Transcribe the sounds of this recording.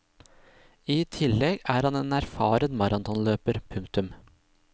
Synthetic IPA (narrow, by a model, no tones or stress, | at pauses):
iːt̪ʰɪlɛɡæːɾhɑneːnæɾfɑːɾənmɑɾɑnt̪ɔnløːpəɾpʰʉŋk̚t̪ʉm